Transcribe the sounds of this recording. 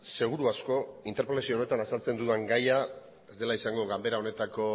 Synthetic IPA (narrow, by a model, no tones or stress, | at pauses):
se̞ɣ̞uɾuasko̞int̪eɾpolesione̞t̪anasalt͡se̞nd̪uðeŋɡaja | e̞zd̪elaisaŋɡo̞ɣambe̞ɾao̞ne̞t̪ako̞